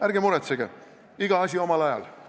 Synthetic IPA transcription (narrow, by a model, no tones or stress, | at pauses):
æɾɡemuɾet̪seɡe | iɡ̥ɑɑsʲio̞mɑlɑjɑ̰l